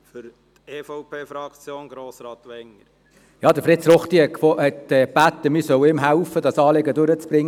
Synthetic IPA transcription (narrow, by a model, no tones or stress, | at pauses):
fʏɾ | t̪eːfɔʊpʰeːfɾɑkt͡sjoːnɡ̥ɾoːsɾɑːt̪ʋɛŋəɾ | jɑːd̪əɾfrɪt̪sɾɔχt̪iɛkfɔhɛt̪ɛːb̥æt̪ːəmɪsœwɪmɦæwfəd̥ɑsɑːleɡədʊɾət͡sb̥ɾɪŋː